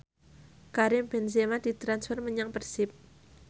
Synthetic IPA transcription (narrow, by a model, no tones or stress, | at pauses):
kaɾɪmbɛnsemad̥̪i̤t̪ɾansfərməɲaŋpərsɪp̚